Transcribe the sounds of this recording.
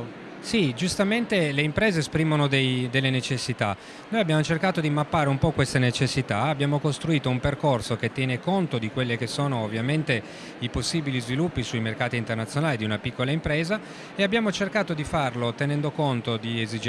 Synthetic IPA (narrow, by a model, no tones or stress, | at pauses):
sid͡ʒust̪ament̪eleimpɾeːzeːspɾimonod̪ejd̪elːenet͡ʃesːit̪a | noːjabjaːmot͡ʃerkaːt̪od̪imapːaːɾeumpɔkwest̪enet͡ʃesːit̪aabːjaːmokost̪ɾuiːt̪oumperkorsoket̪ːjɛːnekont̪od̪ikwelːekesoːnoːvːjament̪e | iposːiːbilizvilupːisuimerkaːt̪iːnt̪ernat̪sjonaːlid̪iunapikːolaimpɾeːza | eabjaːmot͡ʃerkaːt̪od̪ifarlot̪enɛnd̪okont̪od̪iezid͡ʒ